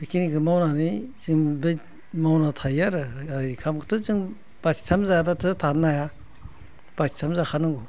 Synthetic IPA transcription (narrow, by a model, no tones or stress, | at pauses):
bikinikʰɯmawnaniziŋbe | mawnatʰajaɾɯaikʰamkʰɯ̥tʰozɯŋ | b̥asi̥tʰamzajabatʰɯtʰanːaja | b̥asi̥tʰamzakʰanɯŋɡu